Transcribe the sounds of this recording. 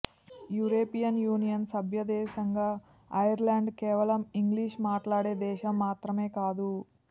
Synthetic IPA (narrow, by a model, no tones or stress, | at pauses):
juːɾoːpijɐnjuːnijɐnsɐbʱjɐd̪ɛːʃɐŋɡaː | ɐjɐɾlaːɳɖkɛːʋɐlɐmiŋɡliːʂmaːʈlaːɽeːd̪ɛːʃɐmːaːt̪ɾɐmeːkaːd̪u